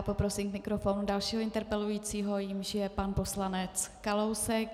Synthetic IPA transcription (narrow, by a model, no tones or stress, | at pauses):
po̞pɾo̞siːmkmɪkɾo̞fo̞ːnudalʃiːɦoɪnt̪ɛɾpɛlujiːt͡siːɦo̞jɪmʒɪjɛpanpo̞slanɛt͡skalowsɛk̚